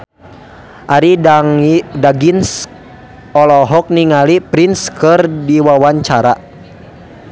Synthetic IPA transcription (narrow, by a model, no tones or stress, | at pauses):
ʔaɾi | daɡins | ɔlɔɦɔk̚niŋalipɾinskɨrdiwawaɲt͡ʃaɾa